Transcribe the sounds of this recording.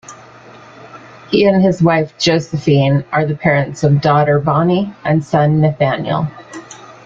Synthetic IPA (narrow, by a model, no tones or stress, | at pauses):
hiɨ̃nɨzwaɪfd̥ʒ̥oʊsɨfĩnʔə˞ðɨpʰɛɹɨ̃ntsʌvdɔɾə˞bɑniʔɨ̃nsʌ̃nːɨθæ̃nj̰l̩ˠ